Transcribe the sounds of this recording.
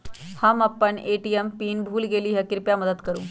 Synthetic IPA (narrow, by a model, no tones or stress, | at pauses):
hamapəɳeʈiempiːnbʱuːlɡeliːɦjakiɾpjaməd̪əd̪kəɾṵː